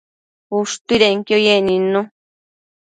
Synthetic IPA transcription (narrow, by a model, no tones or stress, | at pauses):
uʂt̪uiɾeŋkjojenĩnõ